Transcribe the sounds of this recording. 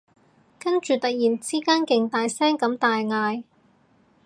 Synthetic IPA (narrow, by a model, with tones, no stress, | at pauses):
kɐ˥nt͡ʃyː˨˩t̪ɐ˨k̚jiː˨˩nt͡siː˥kaː˥nkɪ˨ŋt̪aː˨jsɛː˥ŋkɐ˨˥mt̪aː˨jŋaː˧j